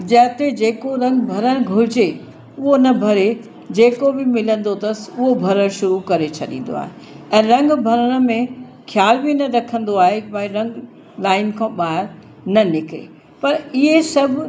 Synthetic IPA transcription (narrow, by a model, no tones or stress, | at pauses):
d͡ʑɐɦt̪ed͡ʑeːkoɾɐ̃ŋɡbʱɐɾəɽ̃ɪ̆ɡʱʊɾɪd͡ʑe | ʊɦonɐbʱɐɾe | d͡ʑeːkobɪmɪlə̃nd̪ot̪ɐsʊɦobʱɐɾəɽ̃ʃʊɾukɐɾet͡ɕʰɐɗḭ̃ːn̆d̪o̰a̰ːɦe | ɛ̃ːɾɐ̃ŋɡbʱɐɾəɽ̃ə̆mẽ | xʰjaːlbinɐɾɐkʰə̃nd̪oaːɦebɐ̃ĩɾɐ̃ŋɡ | laːɪnkʰãːɓaːɦɪɾ | nɐnɪkɪɾḛ | pɐɾɪɦesɐbʱ